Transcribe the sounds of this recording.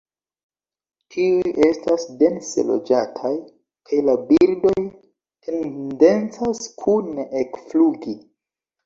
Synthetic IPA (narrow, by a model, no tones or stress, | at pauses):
tʰiuje̞stasde̞nsḛlo̞̰d͡ʒatʰaj | kʰajlabildo̞j | tʰende̞nt͡saskʰuneʔekfluɡi